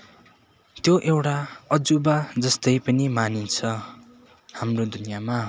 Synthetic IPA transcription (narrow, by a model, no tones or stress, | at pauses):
t̪joʔewʈaʌd͡zubad͡zʌst̪ʌjpʌnimanint͡sʰʌ | hamrod̪unijama